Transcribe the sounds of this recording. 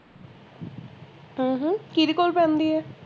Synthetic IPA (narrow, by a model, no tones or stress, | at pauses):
ɦə̃ɦ̩kiɾikolpɛ̃nd̪iɛ